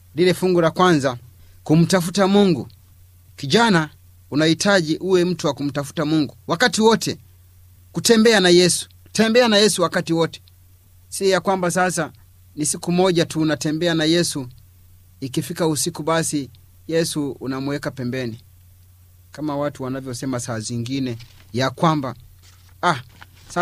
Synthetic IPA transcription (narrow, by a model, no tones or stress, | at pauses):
lilɛfuŋɡulakwanza | kum̩tafutamuŋɡu | kiʄana | unahitʰaʄiʔuwɛm̩tuwakum̩tafu̥tamuŋɡuwakatiwɔtʰɛ | kutɛmbɛanajɛsu̥ | tɛmbɛanajɛsuwakatiwɔtɛ̥ | siɔjakwambasasa | nisikumɔʄatuːnatɛmbɛanajɛsu | ikifikausikuɓasi | jɛsuːnamuwɛkapɛmbɛni | kamawatuwanavjɔsɛmasaːziŋɡinɛ | jakwamba | a | sa